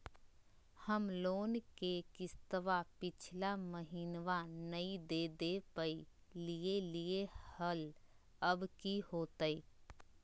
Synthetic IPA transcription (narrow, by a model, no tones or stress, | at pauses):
həmloːnkekɪst̪əʋapɪt͡ʃʰlaməɦɪnʋanəĩd̪eːd̪epəi | lieliehəl | əbkihoːt̪əiː